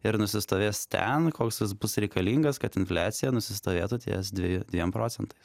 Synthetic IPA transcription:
ɪɾnʊsʲɪst̪oːʋʲeːst̪ʲɛ̰nkoːksɪsbʊsɾʲɛɪkɐlʲiːŋɡɐskɐt̪ɪnfʲlʲæːt̪sʲɪjɛnʊsʲɪst̪oːʋʲeːt̪ut̪ʲḛːsd̪ʲʋʲejʊd̪ʲʋʲiɛmpɾoːtsʲɛnt̪ɐɪs

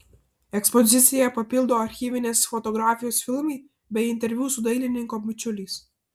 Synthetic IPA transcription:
ɛkspɔzʲɪt̪sʲɪjɛpɐpʲɪlˠd̪oːɐɾʲxʲiːʋʲɪnʲeːsfɔt̪ɔɡɾaːfʲɪjoːsfʲɪlˠmiɪ | bʲɛɪɪnʲt̪ʲɛɾʲʋʲjuːsʊd̪ɐɪlʲɪnʲɪŋkoːmʲʊt͡ʃʲʊlʲiːˑs

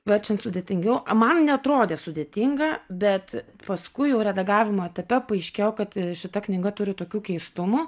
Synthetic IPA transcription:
ʋʲɛt͡ʃʲɛnsʊd̪ʲeːt̪ʲɪŋʲɡʲɛʊmɐnnʲɛɐt̪ɾoːd̪ʲeːsʊd̪ʲeːt̪ʲiŋɡɐbʲɛt̪ | pɐskʊɪjɛʊɾʲɛd̪ɐɡɑːʋʲɪmoːɛt̪ɐpʲɛpɐɐɪʃʲkʲeːjɛkɐt̪ʃʲɪt̪ɐknʲɪɡɐt̪ʊɾʲɪt̪oːkʲuːkʲɛɪst̪ʊmuː

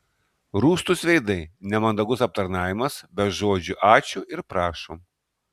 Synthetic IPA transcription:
ɾuːst̪ʊsʋʲɛɪd̪ɐɪnʲɛmɐnd̪ɐɡʊsɐp̚t̪ɐɾnɑːʋʲɪmɐsbʲɛt̪ʒoːd͡ʒʲʊʔɑːt͡ʃʲʊʔɪɾpɾɑːʃoːm

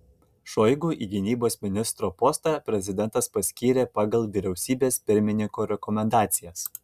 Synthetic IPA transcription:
ʃɔɪɡuːʔiːɡʲɪnʲiːboːsmʲɪnʲɪst̪ɾoːpɔːst̪ɑpʲɾʲɛzʲɪd̪ʲɛnt̪ɐspɐsʲkʲiːɾʲeːpɑːɡɐlˠʋʲiːɾʲɛʊsʲiːbʲeːspʲɪɾʲmʲɪnʲɪŋkoːɾʲɛkɔmʲɛnd̪ɑːt̪sʲɪjɛs

